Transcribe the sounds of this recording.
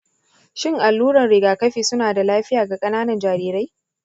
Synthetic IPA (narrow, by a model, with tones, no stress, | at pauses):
ʃɪ˦˨ŋʔa˨lːuː˦ɾɐ˨nɽɪ˨ɡaː˨kɐ˦ɸiː˨sʊ˦naː˨da˨laː˦ɸɪ˦jaː˨ɡa˨kʼɐ˦naː˦nɐ˨nd͡ʒaː˨ɾiː˨ɾa˦j